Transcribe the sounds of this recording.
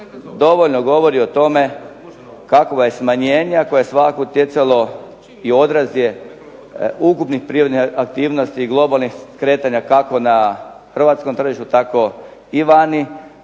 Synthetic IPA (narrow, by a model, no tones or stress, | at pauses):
d̪o̞ʋoʎnoɡo̞ʋoɾiot̪o̞me | kakoʋajesmaɲeːɲakojeesʋakakout̪jet̪salo̞ | io̞d̪ɾazije | ukupnixpɾiɾod̪niak̚t̪iːʋnost̪iːɡlˠo̞balˠnixkɾe̞ːt̪aɲakako̞na | xər̩ʋaːt̪skomt̪r̩ʒiʃt̪ut̪ako̞iʋani